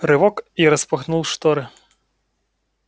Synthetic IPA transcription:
ɾɨvɔkiɾɐspɐxnulˠʂt̪ɔɾɨ

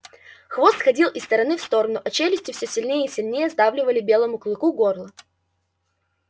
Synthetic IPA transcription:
xvo̞st̪xɐdʲilˠʔɪst̪əɾɐnɨfst̪o̞ɾənʊʔɐt͡ɕelʲɪsʲtʲɪfsʲøsʲɪlʲnʲejəisʲɪlʲnʲejəzd̪avlʲɪvəlʲɪbʲe̞lˠəmʊklˠɨkuɡo̞rlˠə

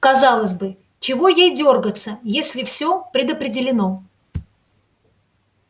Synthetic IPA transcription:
kɐzɑlˠəsʲbɨ | t͡ɕɪvo̞jejdʲo̞rɡət̪səjesʲlʲɪfsʲopɾʲɪd̪əpɾʲɪdʲɪlʲɪno̞

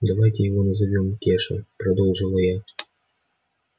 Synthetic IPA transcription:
d̪ɐvajtʲɪjɪvonɐzɐvʲomkʲeʂɨ̰pɾɐd̪ɔlˠʐɨlˠɐja

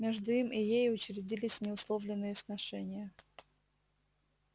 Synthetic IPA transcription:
mʲeʐd̪ʊimʔɪjejʊt͡ɕɾʲɪdʲilʲɪsʲnʲɪʊslˠovlʲɪnːɨjəsnɐʂɛnʲɪjə

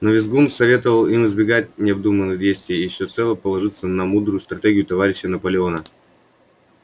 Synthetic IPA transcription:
nəvʲɪzɡunfsɐvʲe̞t̪əvəlˠimɨzbʲɪɡatʲnʲɪɐb̚d̪umənɨdʲejst̪vʲɪjəifsʲot̪sɛlˠəpəlˠɐʐɨt̪sənɐmud̪ɾʊjʊst̪ɾɐtʲeɡʲɪjʊt̪ɐvaɾʲɪɕːənəpəlʲɪo̞nə

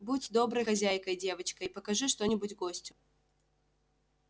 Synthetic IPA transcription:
butʲd̪o̞bɾəjxɐzʲæjkəjdʲe̞vət͡ɕkəipəkɐʐɨʂt̪o̞nʲɪbʊtʲɡosʲtʲʊ̥

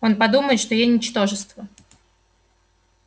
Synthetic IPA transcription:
onpɐd̪uməjt̪ʂt̪ɔjenʲɪt͡ɕt̪oʐɨst̪və

